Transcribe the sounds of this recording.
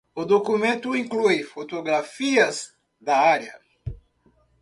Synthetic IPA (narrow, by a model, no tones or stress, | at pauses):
ʊd̪okumẽnt̪ʊĩŋklujfot̪oɡɾafiɐz | d̪ɐaɾjɐ